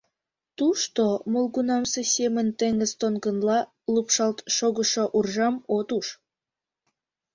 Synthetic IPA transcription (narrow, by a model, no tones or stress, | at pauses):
t̪uʃt̪omolɣunɑmsesʲemənt̪eŋə̆zt̪onɡə̆nlɑ | lupʃɑlt̪ʃoɣə̆ʃoʔurʒɑmot̪uʃ